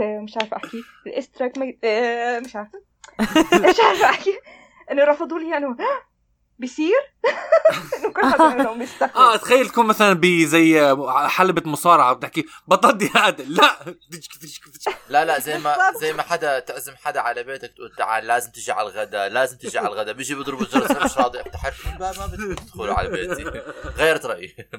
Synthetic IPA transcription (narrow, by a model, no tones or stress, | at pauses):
mɪʃʕaɾfʔaħki | ɪlʔɪst̪ɾˤakma | mɪʃʕaːɾ | ɪʃʕaɾɪfʔaħki | ʔɪnːʊɾˤɑfɑd̪ˤuːliːʔɪnːʊ | bɪsiːɾ | ʔɪnːʊkʊʊmɪsaʔaːt̪xajːalt̪ḁkuːnmaθalanbizajːʕħalbamʊsˤɑːɾˤɑʕawt̪ɪħkibɑt̪ˤːɑd̪ihaːd̪alaʔd̪ɪd͡ʒkt̪ɪʃkt̪ɪlalazajmazajːmaħad̪at̪ɪʕzɪmħad̪aʕalabeːt̪akt̪a̰ʕa̰laːzɪmt̪ɪʒiʕa̰laɣad̪alaːzɪmt̪ɪʒiʕa̰laɣad̪abiːd͡ʒibɨd̪ˤɾɪbʒɑɾʃɾˤɑːd̪ˤiʔaf̚t̪aħɪɾkbamabɪɪd̪̥xʊluʕa̰laḛːt̪iɣajːɑɾˤɑt̪ɾˤɑʔji